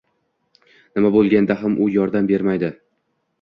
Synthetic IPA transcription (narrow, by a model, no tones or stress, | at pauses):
nɪmabolˠɡʲand̪aɦamʔʊjɒɾd̪ambe̞ɾmajd̪ɪ